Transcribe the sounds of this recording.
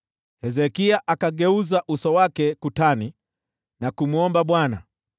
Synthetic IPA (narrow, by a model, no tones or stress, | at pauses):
hɛzɛkiaʔakaɡɛuzaʔusɔwakɛkutani | nakumuɔmbaɓwana